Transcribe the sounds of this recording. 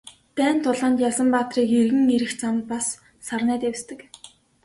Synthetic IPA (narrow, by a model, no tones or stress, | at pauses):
t̪æːnt̪ʰːʊɮaːnt̪jasə̆mpaːt̪riːkerɣɘ̆ŋeɾɘ̆xt͡samt̪̚pasː | arnæːt̪awst̪ɘ̆k